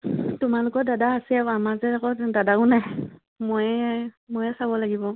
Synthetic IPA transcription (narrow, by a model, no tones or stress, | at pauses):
tʊmalʊkɔɹdadaasɛaamazɛakɔdadaʊnaj | mojɛmojɛsabɔlaɡibɔ